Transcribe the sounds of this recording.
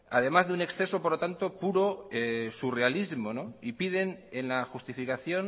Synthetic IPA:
a̰ð̞e̞mazðeune̞ksθe̞so̞poɾlot̪ant̪o̞puɾo̞esure̞alizmo̞noipið̞e̞nenlaxust̪ifikaθjo̞n

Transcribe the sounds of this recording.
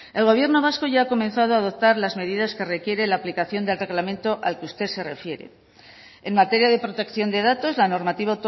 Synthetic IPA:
e̞lɣo̞β̞je̞ɾno̞β̞asko̞ʝaːko̞mẽ̞nθað̞oaːðo̞p̚t̪aɾlazme̞ðiðaske̞re̞kje̞ɾelaːplikaθjo̞nd̪e̞lre̞ɣlamẽ̞nt̪o̞ʔalkeust̪e̞ðse̞re̞fje̞ɾḛ | enmat̪e̞ɾjaðe̞pɾo̞t̪e̞kθjo̞nd̪e̞ðat̪o̞zlano̞ɾmat̪iβaot̪

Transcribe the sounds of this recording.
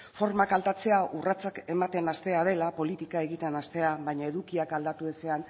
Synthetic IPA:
fo̞ɾmakalt̪at͡se̞aʔurat͡sake̞mat̪e̞nast̪e̞að̞e̞lapo̞lit̪ikae̞ɣit̪e̞nast̪e̞aβajɲae̞ðukiakald̪at̪ue̞se̞an

